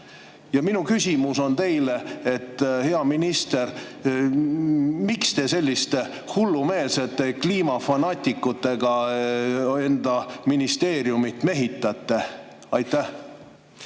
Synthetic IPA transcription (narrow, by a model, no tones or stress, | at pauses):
jɑminukysʲimuso̞nt̪e̞jleet̪ːˑhe̞ɑminist̪eɾ | mikst̪e̞se̞lʲːist̪e | hulːume̞ːlse̞t̪ːe̞kliːmɑfɑnɑːt̪ʲikːut̪ːˑe̞ɡ̥ɑ | e̞nd̪̥ɑminist̪e̞ːɾjumit̪ːme̞ɦit̪ˑːɑt̪ːe̞ | ɑjt̪ːˑæ